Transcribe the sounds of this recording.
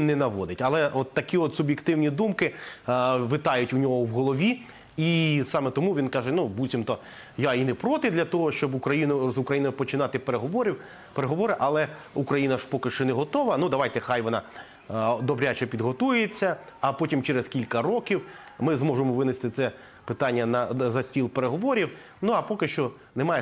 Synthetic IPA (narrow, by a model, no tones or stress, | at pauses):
nɛnɐʋɔd̪ɪtʲɐlˠɛʔɔt̪ːɐkʲiɔt̪sʊbʲjɪkt̪ɪwnʲid̪umkɪ | ʋɪt̪ɑjʊtʲʊnʲɔɦɔwɦɔlˠɔʋʲi | isɑmet̪ɔmuʋʲinkɑʒɛnubutʲimt̪ɔ | jainɪpɾɔt̪ɪd̪lʲɐt̪ɔɦɔʃt͡ʃɔbʊkɾɐjinʊzʊkɾɐjinɔjʊpɔt͡ʃɪnɑt̪ɪpeɾeɦɔʋɔɾʲiw | peɾeɦɔʋɔɾɪʔɐlˠɛ | ukɾɐjinɐʒpɔkɪʃt͡ʃɔnɛɦɔt̪ɔʋɐnud̪ɐʋajt̪ɛxajʋɔnɑ | d̪ɔbɾʲat͡ʃɛpʲid̪ɦɔt̪ujet͡sʲːɐːpɔtʲimt͡ʃɛɾeskʲilʲkɐɾɔkʲiwmɪzmɔʒemɔʋɪnɪst̪ɪt̪sɛ | pɪt̪ɑnʲːɐnɐzɐsʲtʲilˠpeɾeɦɔʋɔɾʲiw | nuɐpɔkɪʃt͡ʃɔ | nɛmɑjɛ